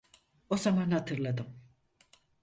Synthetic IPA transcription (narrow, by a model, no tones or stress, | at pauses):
o̞zamanhat̪ʰɯɾlˠad̪ɯm